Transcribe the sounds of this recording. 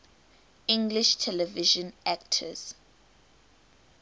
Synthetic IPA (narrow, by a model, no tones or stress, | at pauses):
ĩŋɡliʃtʰɛlɛviʒɔ̃nak̚tʰə̰z̥